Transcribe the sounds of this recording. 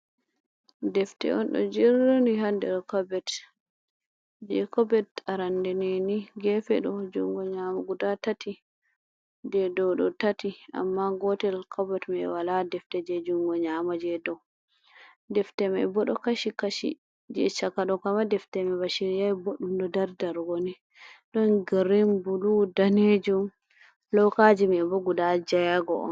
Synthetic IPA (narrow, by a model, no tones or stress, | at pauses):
dɛftɛ̰ɔ̰nɗɔ̰d͡ʒɛɾɔniɦandɛlkabɛt | d͡ʒɛkɔbɛtaɾandɛnɛniɡɛfɛɗɔd͡ʒuŋɡɔɲamaɡudatatʰi | d͡ʒɛdɔɗɔ̰tatiʔa̰mːaɡɔtɛlkʰabɛtmɛwaladɛftɛd͡ʒɛd͡ʒuŋɡɔɲamad͡ʒɛdɔ | dɛftɛmɛ̰ɛbɔɗɔkaʃikaʃḭ | d͡ʒɛt͡ʃakaɗɔkamadɛftɛmɛbaʃiɾijaboɗumɗɔdaɾdaɾɡɔnɛ | ɗɔnɡaɾimbuludaned͡ʒum | lɔkad͡ʒimɛɛbɔɡudad͡ʒajaɡɔʔɔ̰n